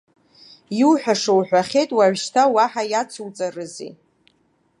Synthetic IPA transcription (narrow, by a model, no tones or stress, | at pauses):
iuħʷᶣaʂowħᶣʷaχʲejtʼwaʕʷʃtʰawaħajat͡sʰuwt͡sʼarɨzḛ